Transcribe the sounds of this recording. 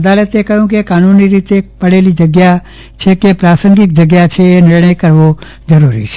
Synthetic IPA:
d̪alət̪ekəɦjũkekanunːiɾit̪epəɽelid͡ʒəɡja | t͡ʃʰekepɾasəŋɡɪk̚d͡ʒəɡjat͡ʃʰeːnɪɾɳəjkəɾʋo | d͡ʒəɾuɾḭt͡ʃʰe̥

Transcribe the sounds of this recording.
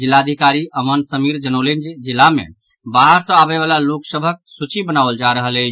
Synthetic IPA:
d͡ʒilːaəd̪ʱikaɾiəmənsəmiɾd͡ʒənəlend͡ʒed͡ʒilːamḛ | baɦəɾsə̃abeʋalaloksəbʱək̚sut͡ʃibənaʋəld͡ʒaɾəɦəlɛ

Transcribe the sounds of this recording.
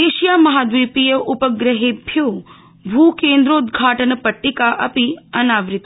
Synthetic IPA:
eːʃijamɐɦad̪ʋipijəʔupəɡɾəɦebʱju | bʱukẽːnd̪ɾoud̪ɡʱaːʈənəpəʈːikaʔɐpiɐnaːʋɾɪt̪

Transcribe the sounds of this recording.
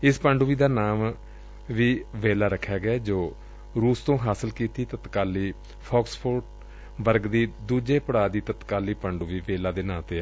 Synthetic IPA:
ɪspəɳɖʊʋiːd̪aːnaːm | ʋiːʋeːlaːɾəkʰːjaːɡaːd͡ʒoː | ɾuːst̪õːɦaːsəlkiːt̪iːt̪ət̪kaːliː | pʰɔːkspʰoɾʈ | ʋəɾɡd̪iːd̪uːd͡ʒeːpəɽaːd̪iːt̪ət̪kaːliːpəɳɖuːʋiːʋeːlaːd̪eːnaːt̪eːɛ

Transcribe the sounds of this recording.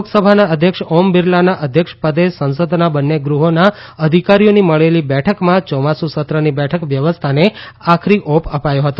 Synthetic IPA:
ksəbʱanaəd̪ʱjəkʃɔmbɪɾlanaʔəd̪ʱjəkʂpəd̪esə̃ñsəd̪ʱnabənːeɡɾuɦona | əd̪ʱikaɾijoniməɭelibɛʈʰəkmãt͡ʃɔmasusət̪ɾənibɛʈʰəkʋjəʋəst̪ʰaneakʰɾiʔopəpajoɦət̪o

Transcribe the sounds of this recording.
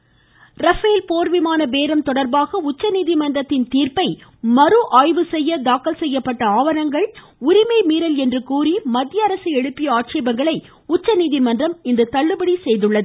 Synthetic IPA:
ɾɐfeːlpoːɾʋɪmaːnɐbeːɾɐmt̪ɔɽɐɾbaːɣɐʊt͡ʃːɐniːðɪmɐndrɐt̪ːɪnt̪iːrpɐɪmɐɾɯʔaːjʋɯsɛjːɐd̪aːkːɐlsɛjːɐpːɐʈːɐaːʋɐɾɐŋɡɐɭ | ʊɾɪmɐɪmiːɾɐlɛndrɯkuːɾimɐd̪ɪjɐːɾɐsɯɛɽɯpːɪjɐaːʈʂeːbɐŋɡɐɭɐɪ | ʊt͡ʃːɐniːðɪmɐndrɐmɪnd̪ɐt̪ɐɭːɯbɐɽisɛjðɯɭːɐðɯ

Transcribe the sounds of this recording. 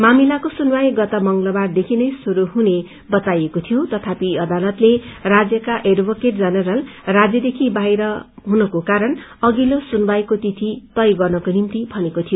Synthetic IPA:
mamilakosunwajɡʌt̪ʌmʌŋɡlʌbard̪ekʰinʌjsuɾuɦune | bʌt̪ajekot̪ʰijot̪ʌt̪ʰapiʌd̪alʌt̪lerad͡zjʌkaʔeɖbʱokeʈd͡zʌnʌɾʌlrad͡zjʌd̪ekʰibajɾʌɦunʌkokaɾʌnʌɡilosunbajkot̪it̪ʰit̪ʌjɡʌrnʌkonimt̪ibʱʌnekot̪ʰijo

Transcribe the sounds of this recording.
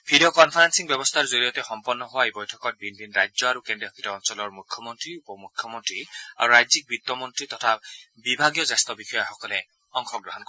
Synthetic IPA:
bʰʱidiɔkɔnpʰaɹansiŋbjɔbɔst̪ʰaɹzolijɔtɛxɔmpɔnːɔɦʊwaebɔjtʰɔkɔt̚binbʱinɹajzɔaɹukendiɔkʰitɔɔnsɔlɔɹmukʰːjɔmɔntɹiupɔmukʰːjɔmɔntɹia̰ɹuɹajzik̚bit̪ːɔmɔntɹitɔtʰa | bibʱaɡjɔzast̪ɔbixɔjaxɔkɔlɛ | ɔŋxɔkɡɹɔɦɔnk

